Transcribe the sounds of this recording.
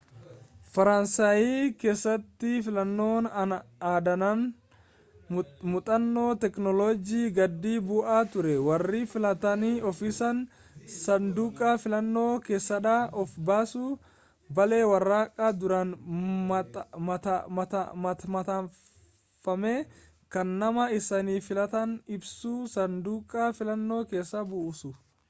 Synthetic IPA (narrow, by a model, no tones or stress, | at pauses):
fɐɾɐnsaːjiːke̞ːsːɐt̪ːɪfɪlɐnːo̞ːnɐaːd̪ɐnɐn | mʊt̪ʼɐnːo̞ːt̪ɛknɔloːd͡ʒiːɡɐd̪ːiːbʊʔaːt̪ʊɾɛwɐrːiːfɪlɐt̪ɐniːɔfiːsɐn | sɐnd̪uːkʼaːfɪlɐnːo̞ːke̞ːsːɐᶑaʔɔfbaːsuː | bɐle̞ːwɐrːaːkʼːaːd̪ʊɾɐn | t̪ɐt̪mɐmɐt̪ɐ | fɐmeː | kɐnːɐmɐɪsɐniːfɪlɐt̪ɐnɪbsuːsɐnd̪uːkʼːaːfɪlɐnːo̞ːke̞ːsːɐbʊʔsʊ